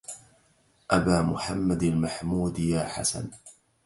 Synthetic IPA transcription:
ʔabaːmʊħamːad̪almaħmuːd̪jaːħa̰sa̰n

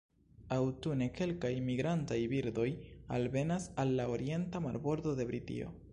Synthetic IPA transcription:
awtune̞ke̞lkajmiɡɾantajbiɾdo̞jalve̞nasalːaoɾie̞ntamaɾbo̞ɾdo̞de̞bɾitḭo̞̰

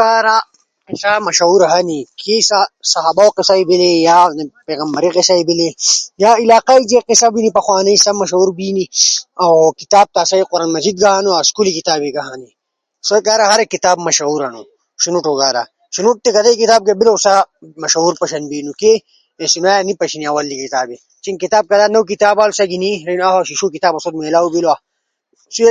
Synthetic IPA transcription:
kaːɾa | isamɐʃɐuɾɦanikʰesasɐɦabawqisaibilejaːnepeːɣɐmbɐɾiqisaibilejaːilaːqaid͡ʒeqisabinipɐxwaːnɐisamɐʃɐuɾbiːniawkit̪aːb̚t̪aːsajqʊɾaːnmɐzid̪̚ɡaɦaːnuaskulikit̪aːbeɡaɦani | sokaːɾaɦɐɾekit̪aːbmɐʃɐuɾɐnu | ʃinuʈoɡaːɾa̰ | ʃinuʈ̚t̪ekɐd̪ɐikit̪aːb̚ɡebilɐwsamɐʃɐuɾpɐʃɐnbiːnuke | sinaːjanipɐʃiniawɐlːikit̪aːbe | t͡ʃinkit̪aːb̚kɐd̪anɐwk̬it̪aːbaːlsɐɡiniɾɐnaɦaʃiʃukit̪aːbɐsod̪melaːubilwa | su

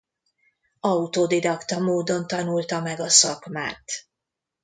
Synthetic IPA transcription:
ɒut̪oːd̪id̪ɒkt̪ɒmoːd̪o̞nt̪ɒnult̪ɒmɛɡɒsɒkma̰ːt̪

